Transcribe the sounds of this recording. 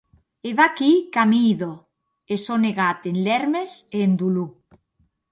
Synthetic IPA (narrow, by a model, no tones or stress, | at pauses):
eβakikamiðo | esoneɣat̪enleɾmesend̪ulu